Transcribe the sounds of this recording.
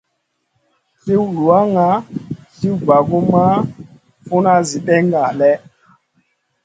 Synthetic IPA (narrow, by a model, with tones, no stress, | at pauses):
ti˦wlu˨a˦ŋa˦ti˦wba˨ɡu˦ma˦ | fu˦na˦zi˨ɗɛ˦ŋɡa˨lɛ˦